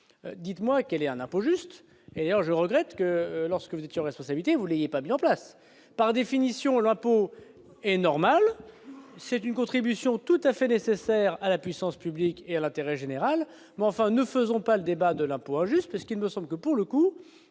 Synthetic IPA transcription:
ød̪it̪mwakɛlɛt̪ɛ̃nɛ̃poʒyst̪ | ed̪ajœʁʒəʁəɡʁɛt̪kəlɔʁskəvuzɛt̪jeɑ̃ʁɛspɔ̃sabilit̪evulejepamizɑ̃plas | paʁd̪efinisjɔ̃lɛ̃po | ɛnɔʁmal | sɛt̪ynkɔ̃t̪χibysjɔ̃t̪ut̪afɛnesesɛʁalapɥisɑ̃spyblikealɛ̃t̪eʁɛʒeneʁal | mɛɑ̃fɛ̃nəfəzɔ̃paləd̪ebad̪əlɛ̃poɛ̃ʒyst̪̚pasə̥kilməsɑ̃bləkəpuʁləku

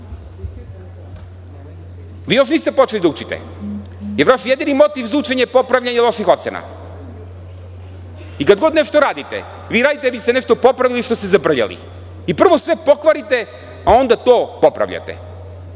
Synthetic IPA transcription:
ʋiːjo̞ʃ̬niːst̪epo̞t͡ʃelid̪aut͡ʃit̪ɛ̰ | jeɾʋaʃjed̪inimo̞t̪ivzvuːt͡ʃe̞ɲepo̞pɾavʎaɲelˠo̞ʃixo̞t̪sḛna̰ | ikad̪ɡo̞d̪neʃt̪oɾaːd̪it̪ḛ | ʋiːɾaːd̪it̪ebist̪eneʃt̪o̞po̞pɾaʋiliʃt̪o̞st̪ezabr̩ʎa̰lḭ | ipr̩ʋosʋe̞po̞kʋaɾit̪e | ao̞nd̪at̪oːpo̞pɾa̰ʋʎa̰t̪ḛ

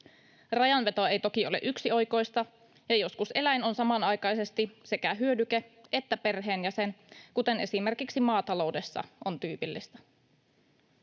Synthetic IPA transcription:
rɑjɑnʋe̞t̪o̞e̞jt̪o̞kio̞leʔyksiojko̞jst̪ɑ | jɑjo̞skusʔe̞læjno̞nsɑmɑnɑjkɑjse̞st̪ise̞kæɦyødykeet̪ːæpe̞rɦe̞ːnjæsenkut̪e̞ne̞sime̞rkiksimɑːt̪ɑlo̞wde̞sːɑ̰ont̪yːpilːist̪ɑ̥

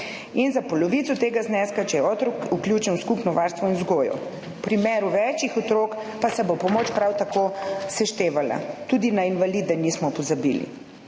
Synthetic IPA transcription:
inzapɔlɔʋit̪sɔt̪eːɡaznɛskat͡ʃɛjɛɔt̪ɾɔkuklʲjut͡ʃɛnwskupnɔʋaɾst̪ʋɔinzɡoːjɔ̰ | pɾimɛːɾuʋɛt͡ʃixɔt̪ɾoːkpasɛbopɔmoːt͡ʃpɾawt̪akosɛʃt̪eːʋala̰t̪uːd̪inainʋaliːd̪ɛnismɔpɔzabḭːlḭ

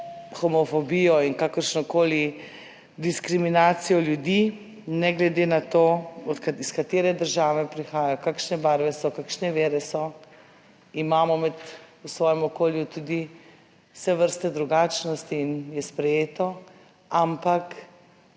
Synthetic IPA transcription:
xɔmɔfɔbijɔinkakəɾʃnɔkoːli | d̪iskɾiminaːt̪sijɔljud̪i | nɛɡlɛd̪eːnat̪oːɔt̪kiskat̪eːɾɛd̪əɾʒaːʋɛpɾixaːjajɔkakʃnɛbaɾʋɛsɔkakʃnɛʋeːɾɛsɔ | imaːmɔmɛt̪usʋɔːjɛmɔkoːljut̪ud̪i | wsɛʋəɾst̪ɛd̪ɾuɡaːt͡ʃnɔst̪iːnjɛspɾɛjeːt̪ɔ | ampak

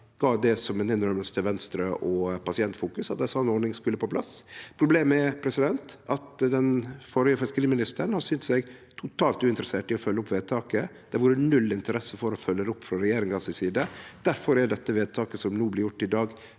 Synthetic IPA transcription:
ɡ̥ɑːd̪ɛsɔmɛt̪ɪnːɾɔɾməst̪ʰəʋɛnst̪ɾəʔɔpɑsɪɛnt̪fuːkʉsɑt̪̚d̪ɛsɔnːɔɳɪŋskʉlːəpʰopʰlɑ̰spʰɾʊbleːmɛpʰɾɛsɪd̪ɛnt̪ɑt̪d̪ɛnfɔɾjəfœskəɾiːmɪnɪst̪əɳhɑsyːnt̪sɛɡt̪ʰʊt̪ʰɑːlt̪ʉːɪnt̪ɾəseːʈɪɔfœlːəɔpʋeːd̪̚t̪ʰɑːkəd̪̥ɛɾʋuːɾənʉlːɪnt̪əɾɛsːəfɔɾɔfœlːəɾəʊpːfɾɑɾɛjeːɾɪŋɑsɪsiːd̪əd̪̥æɾfɔɾɛɖɛt̪ːəʋeːd̪̚t̪ʰɑːkəsɔmnuːblɪɾjʊʈːɪd̪ɑːɡ

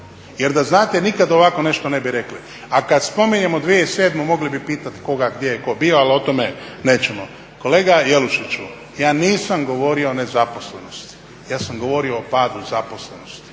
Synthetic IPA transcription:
je̞ɾd̪aznaːt̪enikad̪oʋako̞ne̞ʃt̪one̞biɾe̞kli | akad̪spo̞miɲe̞mod̪ʋieseːd̪mumo̞ɡlibipiːt̪at̪i̥ko̞ɡaɡd̪jejeko̞bioalio̞t̪omenet͡ʃemo | ko̞le̞ːɡaje̞luʃit͡ʃu | jaːniːsamɡo̞ʋo̞ːɾioːne̞zapo̞sle̞no̞st̪i̥ | jaːsamɡo̞ʋo̞ɾio̞ːpaːd̪uzapo̞sleno̞st̪i̥

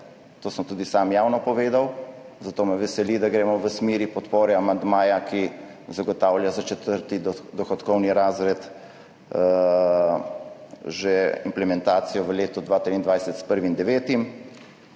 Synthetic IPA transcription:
t̪oːsəmt̪uːd̪isaːmjaːwnɔpɔʋeːd̪aw | zat̪oːmɛʋɛsɛlid̪aɡɾeːmɔʋəsmiːɾipɔt̪poːɾɛamand̪maːjaki | zaɡɔt̪aːwlʲjazat͡ʃɛt̪əɾt̪id̪ɔxɔt̪kɔwniɾaːzɾɛt̪ | ʒɛimplɛmɛnt̪aːt̪sijɔʋəleːt̪ɔd̪ʋaːt̪ɾiːnd̪ʋajsɛt̪spəɾʋind̪ɛʋeːt̪im

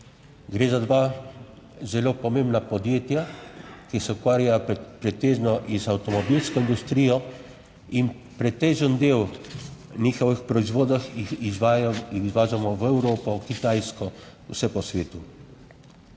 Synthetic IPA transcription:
ɡɾeːzad̪ʋa | zɛloːpɔmẽːmbnapɔd̪jeːt̪jakisɛukʋaːɾjapɾɛt̪eːʒnɔʔizawt̪ɔmɔbilskɔind̪ust̪ɾiːjɔ | in | pɾɛt̪eːʒənd̪eːw | niːxɔʋixpɾɔizʋoːd̪axizʋaizʋaːʒamɔʋɛwɾoːpɔkit̪ajskɔ | usɛpɔsʋeːt̪u

